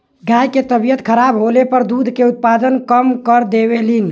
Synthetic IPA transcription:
ɡajket̪əbijət̪kʰəɾabɦolepəɾd̪ud̪ʱkeut̪̚pad̪ənkəmkəɾd̪ebelin

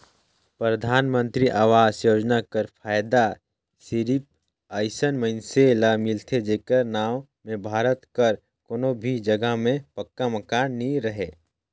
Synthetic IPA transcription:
pɾəd̪ʱaːnmə̃nt̪ɾiʔaːʋaːzjoːd͡ʒnakəɾpʰaːjd̪a | sɪɾip̚ | əɪsənmənselamɪlt̪ʰed͡ʒeːkəɾnaːw | mẽbʱaːɾət̪kəɾ | koːnobʱid͡ʒɐɡəɦmẽpɐkːaməkaːnːĩɾəɦeː

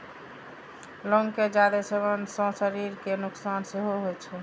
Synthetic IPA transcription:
lɔŋked͡ʒad̪esebənsɔ̃səɾiɾkenuksanseɦoɦojt͡ʃʰɛ

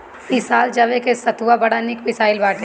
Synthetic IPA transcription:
ɪsaːld͡ʒɐʋekesɐt̪uʋabɐɽanɪkmɪsaːɪlbaːʈe

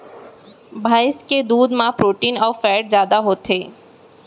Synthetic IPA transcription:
bʱaːɪsked̪uːd̪mãpɾoːʈiːnɔːfɛːʈzjaːd̪aɦoːt̪ʰeː

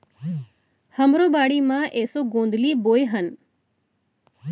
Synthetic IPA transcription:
həmɾoːbaːɽimãʔeːsoɡõːnd̪liːboːjɦən

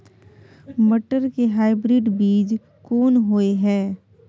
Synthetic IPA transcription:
mɐʈəɾkeɦaːɪbɾɪɖbiːd͡ʒ | kɔːnɦoeɦɛ̃ː

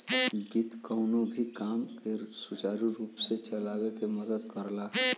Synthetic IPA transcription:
ɡit̪kəʊnõbʱikaːmkeɾsʊt͡ʃaːɾiɾuːpset͡ʃəlaːwekeməd̪əd̪kəɾlaɦ

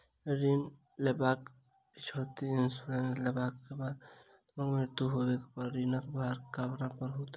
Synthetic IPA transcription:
ɾin | lebaːk | t͡ʃʰoːt̪iɪnsuɾenslebakːebaːd̪ | məɡmɪɾt̪uɦobekpəɾɾinakbʱaɾkaːbɾapəɾɦot̪a

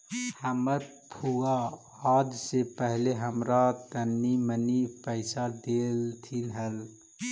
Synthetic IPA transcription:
həməɾ | pʰuaː | d͡ʒsepəɦleɦəmɾat̪ənːimənipəɪsad̪elt̪ʰinɦəl

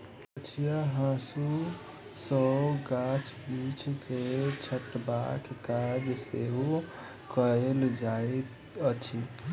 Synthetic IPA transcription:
ət͡ʃʰijaɦãsu | səwɡat͡ʃʰbit͡ʃʰket͡ʃʰəʈːbakekad͡ʒseɦu | kəeld͡ʒae | ət͡ʃʰi

